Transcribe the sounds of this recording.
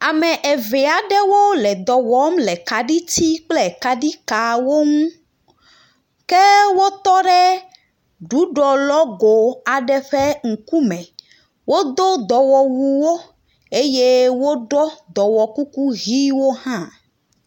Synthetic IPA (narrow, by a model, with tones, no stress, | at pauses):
a˨mɛ̃˨ʔe˨vɛ˨a˨ɖɛ˦wo˦lɛ˨d̪ɔ˨wɔ˦mlɛ˨ka˨ɖi˦t̪i˦k͡plɛ˦ka˨ɖi˦ka˨wo˦ŋũ˦ | kɛ˦wo˦t̪ɔ˦ɖɛ˦ | ɖu˨˦ɖɔ˨lɔ˦ɡo˨a˨ɖɛ˦ɸɛ˦ŋ̩˨ku˦mɛ̃˨ | wo˦d̪o˦d̪ɔ˨wɔ˨wu˨wo˦ | e˦je˦wo˦ɖɔ˦d̪ɔ˨wɔ˨ku˦ku˦ɣi˦wo˦hã˦